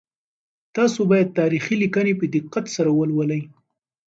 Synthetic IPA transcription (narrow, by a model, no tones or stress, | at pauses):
t̪ɑsobɑjad̪̚t̪ɑɾixilikanepəd̪ɪqːat̪saɾawəlwəlaj